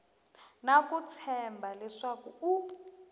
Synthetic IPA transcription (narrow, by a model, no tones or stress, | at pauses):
nakut͡sʰɛmbʱalɛʂakuu